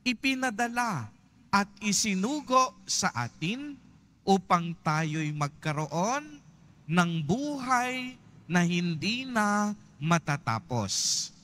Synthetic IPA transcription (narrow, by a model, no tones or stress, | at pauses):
ʔɪpɪnɐd̪ɐla | ʔɐt̪̚ɪsɪnuːɡo̞ʔsɐʔa̰ːt̪ɪn | ʔuːpɐŋt̪aːjojmɐɡ̚kɐɾoʔonː | ɐŋbuːɦaj | nɐhɪnd̪iːnɐ | mɐt̪at̪a̰ːpo̰s